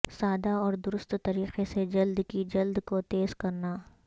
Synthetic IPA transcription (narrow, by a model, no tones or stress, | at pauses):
saːd̪aɔːɾd̪ʊɾʊst̪t̪ɐɾiːqesed͡ʒɐld̪kid͡ʒɐld̪kot̪eːzkɐɾnaː